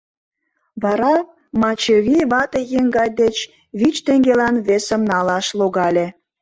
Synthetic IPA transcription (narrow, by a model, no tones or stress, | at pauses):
βɑɾɑ | mɑt͡ɕeβʲiβɑt̪ejeŋɡɑjd̪et͡ɕ | βit͡ɕt̪eŋɡelɑnβesəmnɑlɑʃloɣɑlʲe